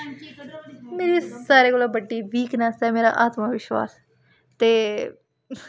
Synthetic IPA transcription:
meːɾisaːɾeɡolabəɖːiːʋiːknaːst̪ameːɾa̰ʔaːt̪maʋɪʃʋa̰ːs | t̪e

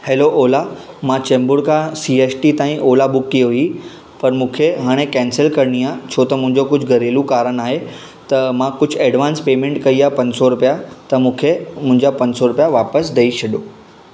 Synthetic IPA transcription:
heːloʔoːla | mãt͡ɕẽːmbʊɽkʰãsieːsʈit̪aːĩʔoːlabʊkːiɦʊi | pɐɾmũːkʰeɦaːɽ̃ekɛ̃ːnsəlkɐɾɽ̃iat͡ɕʰoːt̪ɐmʊ̃ɦɪ̃ɲd͡ʑokʊd͡ʑʱɡɐɾeːlũkaːɾənaːɦe | t̪ɐmãkʊd͡ʑʱeːɖʋaːnspeːmẽːɳʈkɐiapɐ̃ɲsɔɾʊpjat̪ɐmũːkʰemʊ̃ɦɪ̃ɲd͡ʑapɐ̃ɲsɔɾʊpjaʋaːpəsd̪ɐiɕɐɗjoː

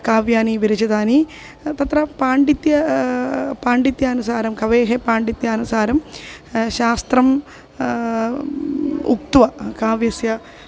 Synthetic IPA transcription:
kaːʋjaːniʋiɾɐd͡ʑɐðaːni | t̪ɐt̪rɐpaːɳɖit̪jɐ | paːɳɖit̪jaːnusaːɾɐmkɐʋeːɦepaːɳɖit̪jaːnusaːɾɐmɕaːst̪rɐm | ṵk̚t̪ʋɐkaːʋjɐsjɐ

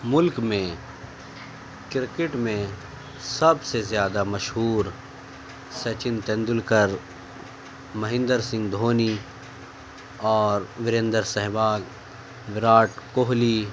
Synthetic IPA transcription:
mʊlkmẽ | kɪɾkɪʈmẽ | sɐbsezjaːd̪amɐʃɦuːɾ | sɐt͡ʃɪnt̪ɛ̃nd̪ʊlkəɾ | mɐɦɪ̃nd̪əɾsɪ̃ŋɡd̪ʱoːni | ɔːɾʋɪɾẽnd̪əɾsɛɦʋaːɡ | ʋɪɾaːʈkoɦli

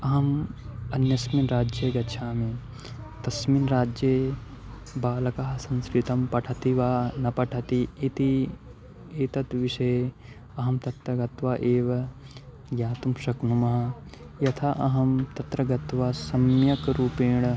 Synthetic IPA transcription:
ɐɦɐmɐnjɐsminɾaːd͡ʒjɐɡɐtːt͡ʃʰaːme | t̪ɐsminɾaːd͡ʒje | baːlɐkaːɦɐsɐ̃nskɾit̪ɐmpɐʈʰɐt̪iʋaːnɐpɐʈʰɐt̪iit̪i | eːt̪ɐt̪ʋiʃɐj | ɐɦɐmt̪ɐt̪ɾɐɡɐt̪ʋaːʔeːʋɐ | ɡjaːt̪umʃɐknumɐɦɐ | jɐt̪ʰaʔɐɦɐmt̪ɐt̪ɾɐɡɐt̪ʋaːsɐmjɐkɾuːpeːɳ̃

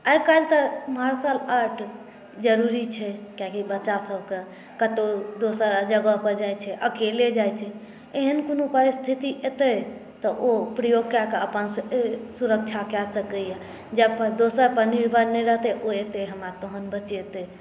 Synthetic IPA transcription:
ajkalt̪əmɦaɾsaləʈ | d͡ʒəɾuɾit͡ʃʰɛkjakibətːt͡ʃːasəbke | kət̪od̪osəɾd͡ʒəɡəpəɾd͡ʒajt͡ʃʰɛʔəkeled͡ʒajt͡ʃʰɛ | eɦənkonopəɾist̪ʰit̪iʔet̪ɛt̪ɔʔopɾəjoɡ̚kakeəpənsuɾək̚t͡ʃʰakɛsəkəja | d͡ʒəb̚pəd̪osəɾpəɾniɾbʱəɾnɛɾəɦt̪eʔoet̪eɦəmɾat̪oɦənbət͡ʃet̪e

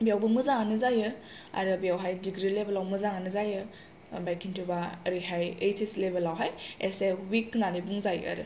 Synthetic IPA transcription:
bijawbɯmɯzaŋanɯzajɯ | a̰ɾɯbijawɦajdiɡɾilebelawmɯzaŋanɯzajɯ | bajkʰintʰubaɾiɦajejseslebelːawɦajesewiknanibuŋzaj̰a̰ɾɯ̰

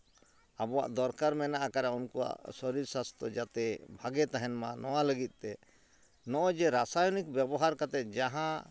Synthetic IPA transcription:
abɔwa̰ʔd̪ɔɾkaɾmɛnaʔakaɾaunkuwa̰ʔsɔɾiɾsast̪ɔd͡ʒat̪ɛbʱaɡɛt̪aɦɛnmanɔwaləɡit̪̚ˀt̪ɛ | nɔʔɔd͡ʒɛɾasajɔnik̚bjɛbɔɦaɾkat̪ɛt̪̚d͡ʒaɦã

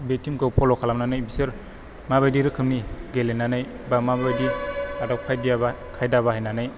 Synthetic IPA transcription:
betimɡɯwpʰɔlɔkʰalamnanɯjbisɯɾ | mabajdiɾɯkʰɯmniɡelenanaj | bamabajdiadak̚pʰajdijaba | kʰajdaβaɦajnanɯj

